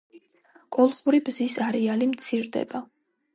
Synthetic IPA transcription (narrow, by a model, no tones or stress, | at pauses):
kʼɔlˠχuɾibzisaɾɛalimt̪sʰiɾd̪ɛ̰ba